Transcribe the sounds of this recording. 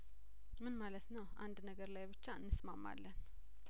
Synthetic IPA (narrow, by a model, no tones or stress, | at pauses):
mɨnmalət̪nəwʔa̰nd̪nəɡəɾlajbɨt͡ʃːaɨnːɨsmamːa̰lːən